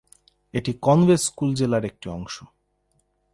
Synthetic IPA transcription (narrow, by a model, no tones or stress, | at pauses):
eʈikɔnbesːkuld͡ʑelaɾek̚ʈiɔŋʃo